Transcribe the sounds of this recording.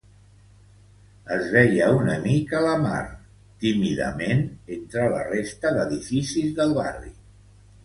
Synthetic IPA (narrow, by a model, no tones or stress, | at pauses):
əzβɛjəunəmikələma̰ɾ | t̪imiðə̰menent̪ɾələ̰rest̪əðəðifisizðəlˠβa̰rḭ